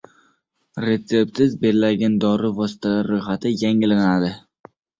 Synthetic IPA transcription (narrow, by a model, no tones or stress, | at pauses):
ɾe̞t̪se̞p̚tsɪzbe̞ɾlaɡʲand̪ɒɾɪvɒsɪ̥t̪ʰalaɾːojχat̪ʰɪjaŋɪlanad̪ɪ